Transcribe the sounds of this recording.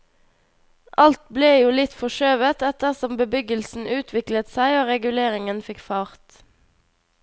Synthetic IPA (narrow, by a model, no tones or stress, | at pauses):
ʔɑlt̪bleːjuːlɪt̪fɔʃøːʋət̪ɛt̪əʁsɔmbəbʏɡəlsn̩ʉːt̪ʰʋɪklət̪sæɪoːʁɛɡʉleːʁɪŋənfɪkfɑːʁt̪